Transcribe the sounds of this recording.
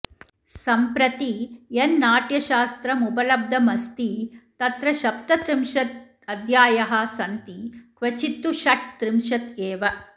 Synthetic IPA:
sɐmpɾɐt̪ienːaːʈjɐʃaːst̪ɾɐmubɐlɐb̚d̪ʱɐmɐst̪it̪ɐt̪ɾɐʃɐp̚t̪ɐt̪ɾimʃɐt̪̚ | ɐd̪ʱjaːjɐɦɐ̆sɐnt̪ikʋɐt͡ʃit̪ːuʃɐʈ̚t̪ɾimʃɐt̪eːʋɐ

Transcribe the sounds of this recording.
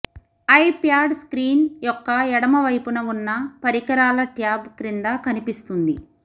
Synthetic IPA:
ɐjpjaːɾɖskɾiːnjɔkːɐɛɽɐmɐʋɐjpunɐunːɐpɐɾikɐɾaːlɐʈjaːbkɾind̪akɐnipist̪und̪i

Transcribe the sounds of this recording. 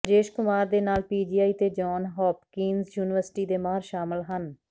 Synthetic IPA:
d͡ʒeːʃkʊmaːɾd̪eːnaːlpiːd͡ʒiːaːiːt̪eːd͡ʒɔːnɦɔːpkiːnzjuːnɪʋəɾsɪ̥ʈiːd̪eːmaːɾʃaːmɪlɦən

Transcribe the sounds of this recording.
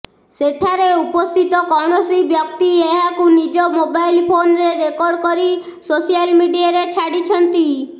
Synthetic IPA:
seʈʰaɾeupɔst̪ʰit̪ɔkɔɳ̃ɔsibjɔkt̪ieɦakunid͡ʒɔmobajlpʰonɾeɾekɔɾɖkɔɾi | sosijalmiɖijaɾet͡ʃʰaɽit͡ʃʰɔnt̪i

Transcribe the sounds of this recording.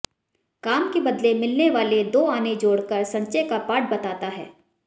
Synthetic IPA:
kaːmkebɐd̪lemɪlneʋaːled̪oːaːned͡ʒoːɽkəɾsɐ̃ɲt͡ʃekapaːʈ̚bɐt̪aːt̪aɦɛ̰ː

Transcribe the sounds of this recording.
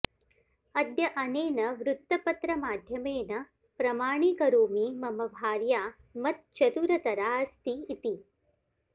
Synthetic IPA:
ɐd̪jɐʔɐneːnɐʋɾut̪ːɐpɐt̪ɾɐmaːd̪ʱjɐmeːnɐ | pɾɐmaːɳ̃iːkɐɾoːmimɐmɐbʱaːɾjaː | mɐt̪̚t͡ʃɐt̪uɾɐt̪ɐɾaːst̪iːt̪i

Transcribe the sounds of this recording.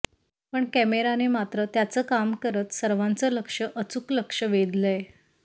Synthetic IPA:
pəɳkɛmeɾanemat̪ɾət̪jat͡səːkamkəɾət̪səɾʋãnt͡sələkʂəʔət͡sukləkʂəʋed̪ləe

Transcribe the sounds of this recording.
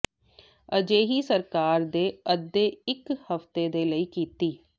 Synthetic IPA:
əd͡ʒeːɦiːsəɾkaːɾd̪eːəd̪ːeːɪkhəft̪eːd̪eːləiːkiːt̪iː

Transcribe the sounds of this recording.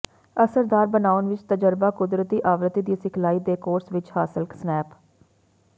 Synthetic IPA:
əsəɾd̪aːɾbənaːʊnʋɪt͡ʃt̪əd͡ʒəɾbaːkʊd̪ɾət̪iːʔaːʋɾət̪iːd̪iːsɪkʰlaːiːd̪eːkoːɾsʋɪt͡ʃhaːsɪlksnɛːp

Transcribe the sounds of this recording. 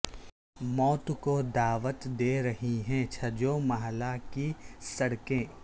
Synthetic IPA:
mɔːt̪kod̪aːʋət̪d̪eːɾɐɦiɦɛ̃t͡ʃʰɐd͡ʒoːmɐɦlakisɐɽkẽː

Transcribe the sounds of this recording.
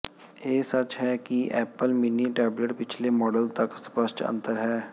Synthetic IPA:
jeːsɐt͡ʃɦɛːkiʔɛːpəlminiʈɛːbləʈpɪt͡ʃʰlemɔːɖəlt̪ɐkspəʃʈə̰̃nt̪əɾɦɛː

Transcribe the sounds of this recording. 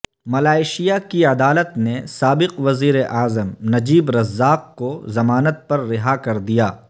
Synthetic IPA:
mɐlaːɪʃijakiɐd̪aːlət̪nesaːbɪqʋɐziːɾeʔaːzəmnɐd͡ʒiːbɾɐzːaːqkozɐmaːnət̪̚pɐɾːɪɦakɐɾd̪ijaː

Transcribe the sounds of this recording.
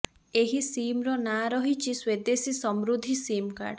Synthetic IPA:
eɦisimɾɔnaɾɔɦit͡ʃʰiswed̪esisɔmɾud̪ʱisimka̰ɾɖ

